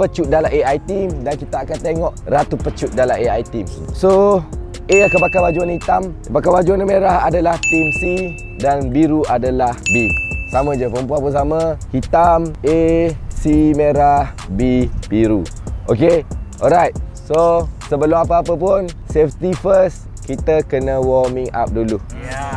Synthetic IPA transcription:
pət͡ʃuʔ̚dalaʔeajt̪imdankit̪aːkant̪eŋɔʔrat̪upət͡ʃut̪̚dalaeajt̪imso | ʔeakəbakabad͡ʒuanhit̪aməbakabad͡ʒuanəmeɾaha̰dalaht̪imsi | danbiɾuʔadalahbisamə̃d͡ʒəpəɾəmp̬uanpunsamahit̪amesimeɾah | bipiɾuʔokeɔlɾajt̪̚ | sosəbəlumap̬əap̬əp̬ʊnsɛft̪ifəs | kit̪əkənəwɔmĩŋa̰p̚dulu

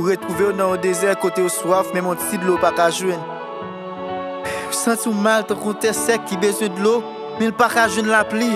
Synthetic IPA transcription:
uʁet̪uveonãjõd̪ezɛkot̪ejoswafmɛ̃mɔ̃t͡sidlopakaʒwɛ̃n | sãtũmalt̪ãkɔ̃t̪ɛsɛkːibezwɛ̃dlo | mɛ̃lpakaʒwɛ̃nlapli

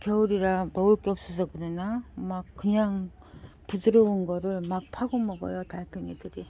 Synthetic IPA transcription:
kjʌuɾiɾamʌuɭk͈eʌp̚s͈ʌsʰʌkɯɾʌnamak̚k͈ːɯɲaŋ | pudɯɾʌunɡʌɾɯɭmak̚pʰaɡomʌɡʌ̰jotaɭpʰeŋedɯɾi

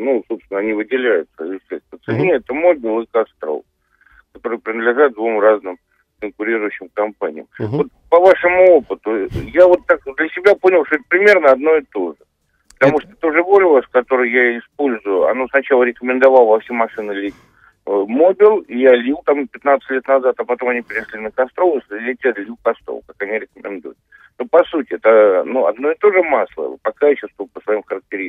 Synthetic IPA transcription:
nuso̞pst̪ʲɪnəɐnʲivɨdʲɪlʲæjʊt̪səɪfsʲest̪ət̪sɨnʲeɛt̪əmobʲɪlˠɨkast̪ɾo̰lˠ | kɐt̪o̞ɾɨjpɾʲɪnd̪lʲɪʐat̪̚d̪vumraznɨm | kənkʊɾʲiɾʊjʉɕːɪmkɐmpanʲɪ̰jəmvo̞t̪̚pəvaʂɨmʊopət̪ʊjavo̞t̪ːakd̪lʲəsʲɪbʲaponʲɪlˠʂt̪oɛt̪̚əpɾʲɪmʲe̞rnəɐd̪̚no̞ɪt̪o̞ʐɨ | ppə̥t̪ɐmuʂt̪ot̪oʐɨvoɾʲɪlˠəskɐt̪o̞ɾɨjjaɪspolʲzʊjʊɐ̰no̞snɐt͡ɕalˠəɾʲɪkəmʲɪnd̪ɐvalˠəvɐfsʲemɐʂɨnɨlʲitʲ | mo̞bʲɪlˠijalʲilˠt̪ampʲɪt̪nat̪sɨtʲlʲet̪nɐzat̪ɐpɐt̪o̞mɐnʲipʲɪɾʲɪʂlʲinəkɐst̪ɾo̞vəslʲɪtʲat̪lʲilˠkɐst̪ɾo̰kakɐnʲiɾʲɪkəmʲɪ̰nd̪ṵjʊt̪̚ | nopɐsutʲɪɛt̪ənuɐ̰d̪no̞ɪt̪o̞ʐɨmaslˠə̰pɐkaɛt͡ɕɪst̪vəpəsvɐimxəɾək̚tʲɪɾʲis

